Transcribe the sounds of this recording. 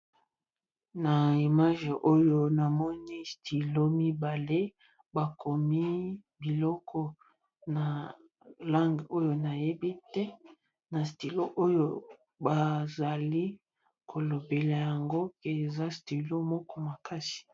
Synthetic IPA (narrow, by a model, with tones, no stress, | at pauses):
na˨i˨ma˦ʒe˨ʔo˦jo˦na˨mɔ˦ni˦stʰi˨lo˦mi˦ba˨le˦ | ba˨kʰo˨mi˦ | bi˨lɔ˦kʰɔ˦ | na˨ | la˦ŋɡo˦jo˨na˨je˦bi˦tɛ˦ | na˨sti˨lo˦ʔo˦jo˦ | ba˨za˨li˦ | kʰo˨lo˨be˨la˨ja˨ŋɡo˦ke˨e˨za˦sti˨lo˦mɔ˦kɔ˦ma˨ka˦si̥˨